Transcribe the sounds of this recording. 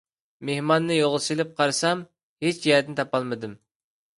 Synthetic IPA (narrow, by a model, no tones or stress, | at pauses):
mehmɑnːɨjoʁlˠɨsilɪp̚qʰɑɾsɑm | het͡ʃd͡ʒɛɛt̪ɪnɪt̪ʰɑpɑlˠmɨd̪ɨm